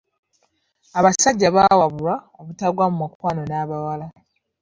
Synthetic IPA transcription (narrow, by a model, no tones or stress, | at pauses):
aβasaɟːaβawaβuɾaoβutaɡwamumakwaːno̞naːβawala